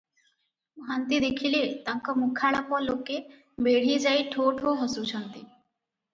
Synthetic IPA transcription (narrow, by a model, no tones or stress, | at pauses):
mɦant̪id̪ekʰilet̪ãŋkɔmukʰaɭapɔlokːe | beɽ̤id͡ʒajʈʰoʈʰoɦɔsut͡ʃʰɔnt̪i